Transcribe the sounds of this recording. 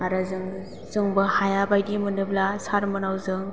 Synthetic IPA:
aɾɯzɯŋ | z̥ɯŋbɯhajabajdimɯnɯblasaɾmɯnawzɯŋ

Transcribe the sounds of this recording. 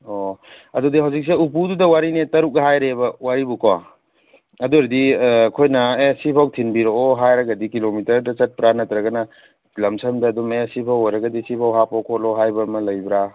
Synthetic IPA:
oɐdudiɦawzik̚seupududɐwaɾinetɐɾuk̚ɦajɾebɐwaɾibuka | ɐduɾdikʰojnɐesipʰawtʰinbiɾooɦajɾɐɡɐdikilomitɐɾdɐt͡ʃɐt̚pɾanɐtɾɐɡɐnɐ | lɐmsʰɐmdɐːdumesipʰawɔjɾɐɡɐdisipʰawɦapokʰɔloɦajbɐmɐlɐjbɾa

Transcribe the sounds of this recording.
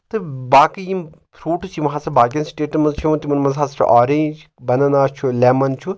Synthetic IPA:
t̪ɨbaːkijĩm | pʰɾuːʈsʰiʋɐɦaːsɐbaːkʲjɐnsʈeːʈɨmɐzt͡ʃʰĩnt̪imɐnmɐnzaːst͡ʃʰṵʔaːɾend͡ʒ | bɐnɐnaːst͡ʃʰulɛːmɐnt͡ʃʰu

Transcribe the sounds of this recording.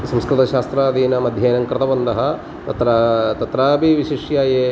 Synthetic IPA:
sɐmskɾɨt̪ɐʃaːst̪ɾaːd̪iːnɐmɐd̪ʱjeːnɐŋkɾɐt̪ɐbɐnd̪ɐɦɐ | t̪ɐt̪ɾat̪ɐt̪ɾaːbiʋiʃiʂjaːjeː

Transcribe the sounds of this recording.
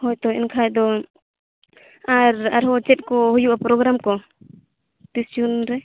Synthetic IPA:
hɔjt̪ɔɛnkʰajd̪ɔ | aɾa̰ɾɦɔt͡ʃɛt̪̚kɔhujuʔapɾɔɡɾamkɔ | t̪isunɾɛ

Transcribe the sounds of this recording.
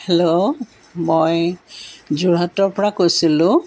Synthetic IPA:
helo | moj | zuɹɔtɔɹpɔɹakojsilʊ̃

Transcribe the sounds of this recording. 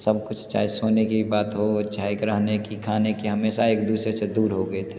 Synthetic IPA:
sɐb̚kʊt͡ʃʰt͡ʃa̰ːɦesoːnekibaːt̪ɦotːt͡ʃʰaɦekɾəɦnekikʰaːnekiɦɐmeːsaeːk̚d̪uːsɾesed̪uːɾɦoɡəet̪ʰeː

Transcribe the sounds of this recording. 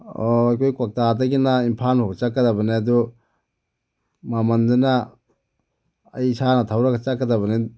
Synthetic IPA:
oɐjkʰojkwak̚tadɐɡinaimpʰanhobɐt͡ʃakːɐdabɐneɐdu | mamɐndunɐ | ɐjsanɐtʰawɾɐɡɐt͡ʃakːɐdaβɐne

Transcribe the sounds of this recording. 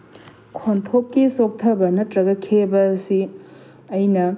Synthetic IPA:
kʰonpʰokːisok̚tʰɐbɐnɐtɾɐɡɐkʰebɐːsi | ɐjnɐ

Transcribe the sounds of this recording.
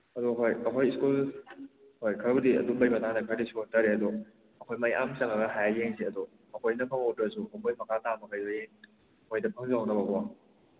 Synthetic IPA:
ɐduɦojɐkʰojskul | hojkʰɐɾɐbɐdiɐ̰dubɐjbɐtanakʰaɾdisutaɾeɐdu | ɐkʰojmajʔa̰msɐŋaɡɐɦajajeŋsiɐdu | ɐkʰojnɐpʰaŋotɾɐsuoŋbojmɐkʰatamɐkʰajzɐjeŋ | kʰojdɐpʰɐŋzaawnɐbɐɡɔwa

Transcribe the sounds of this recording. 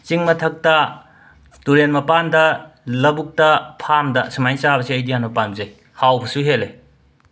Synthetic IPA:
t͡ʃiŋmɐtʰɐk̚tɐ | tuɾenmɐpandɐlɐbuk̚tɐpʰamdɐsimajt͡ʃabɐsiɐjdijanmɐpanzej | hawbʰɐsuɦelej

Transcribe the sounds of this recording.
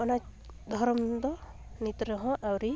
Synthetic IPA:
ɔnad̪ʱɔɾɔmd̪ɔnit̪ɾɔɦɔ̃ʔawɾi

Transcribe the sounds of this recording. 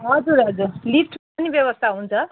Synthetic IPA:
ɦʌd͡zuɾʌd͡zurlipʰʈʰpʌnibjebʌst̪ʰaɦunt͡sʰʌ

